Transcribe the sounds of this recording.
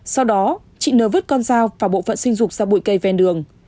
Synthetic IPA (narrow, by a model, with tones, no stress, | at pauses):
sa˧wɗɔ˨˦ | t͡ɕḭ˧˨nəː˨˦vɨ˦˥t̚kɔ˧nzaː˧wvaː˨˩ɓo̰˧˨fə̰˧˨nsi˧ŋ̟zʊ˨˩k͡p̚zaː˧ɓṵ˧˨jkə˧jvɛ˨˩nɗɨ˨˩əŋ